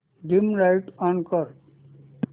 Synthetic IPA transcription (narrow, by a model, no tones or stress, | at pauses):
ɖimɾaɪʈɔ̃nkʌɾ